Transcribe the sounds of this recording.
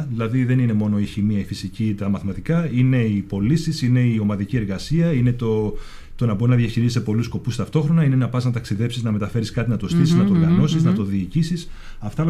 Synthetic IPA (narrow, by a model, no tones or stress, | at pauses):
ðilɐðiðe̞nine̞mo̞no̞içimiɐifisicit̪ɐmɐθmɐt̪ikɐine̞ipo̞lisisine̞io̞mɐðicie̞ɾɣɐsiɐine̞t̪o̞ | t̪o̞nɐbo̞ɾinɐðjɐçiɾizisepo̞lusko̞pust̪ɐft̪o̞xɾo̞nɐine̞nɐpɐznɐt̪ɐksiðe̞psiznɐme̞t̪ɐfe̞ɾiskɐt̪inɐt̪o̞st̪isiznɐt̪oɾɣɐno̞siznɐt̪o̞ðiːcisis | ɐft̪ɐl